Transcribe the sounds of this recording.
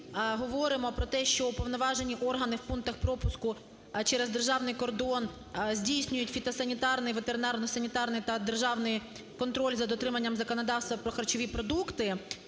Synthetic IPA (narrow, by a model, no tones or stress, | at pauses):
ɦɔʋɔɾɪmɔpɾɔt̪ɛʃt͡ʃɔupɔʋnɔʋɑʒenʲiʔɔrɦɐnɪwpunk̚t̪ɐxpɾɔpʊskʊ | t͡ʃɛɾezd̪erʒɑwnɪjkɔrd̪ɔn | zʲdʲijsʲnʲʊjʊtʲfʲit̪ɐsɐnʲit̪ɑrnɪjʋet̪eɾɪnɑrnɔsɐnʲit̪ɑrnɪjt̪ɐd̪erʒɑwnɪj | kɔnt̪ɾɔlʲzɐd̪ɔt̪ɾɪmɐnʲːɐmzɐkɔnɔd̪ɑwst̪ʋɐpɾɔxɐrt͡ʃɔʋʲipɾɔd̪ukt̪ɪ